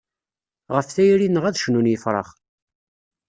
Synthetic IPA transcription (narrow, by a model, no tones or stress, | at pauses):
ʁəfθæjɾinəʁæðʃnunjəfɾˤɑ̰χ